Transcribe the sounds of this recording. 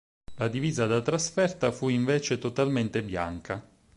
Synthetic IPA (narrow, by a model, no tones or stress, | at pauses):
lad̪iviːzad̪at̪ɾasfɛrt̪afuiɱveːt͡ʃet̪ot̪alment̪ebja̰ŋka